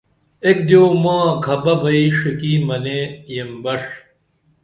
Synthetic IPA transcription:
ek̚d̪joːmãːɡʰʱɐbɐbɐiʂikiːmɐneːjembɐʂ

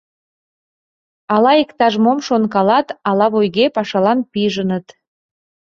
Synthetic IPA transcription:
ɑlɑikt̪ɑʒmomʃonkɑlɑt̪ɑlɑβojɣepɑʃɑlɑnpiʒənət̪

